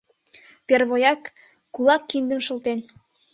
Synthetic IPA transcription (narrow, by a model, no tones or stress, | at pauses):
perβojɑkː | ulɑkːind̪ə̆nʃə̆lˠt̪en